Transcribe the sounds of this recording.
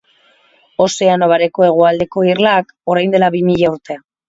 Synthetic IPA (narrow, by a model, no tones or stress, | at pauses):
o̞se̞ano̞β̞aɾe̞ko̞e̞ɣ̞uald̪e̞ko̞irlak | o̞ɾajnd̪e̞laβimiʎauɾt̪e̞a